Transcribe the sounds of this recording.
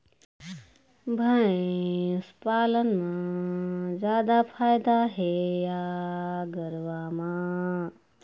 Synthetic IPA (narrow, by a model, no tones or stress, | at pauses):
bʱɐẽspaːlənmã | d͡ʒjaːd̪apʰaːjd̪aɦeja | ɡəɾʋaːmã